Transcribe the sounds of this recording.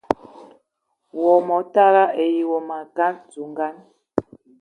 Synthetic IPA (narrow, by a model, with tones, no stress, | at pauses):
wɔ˨mɔ˨˦ta˦ɾa˦ʔe˨ji˨wɔ˨ma˨ka˦nd͡zu˨ŋ˦ɡa˦n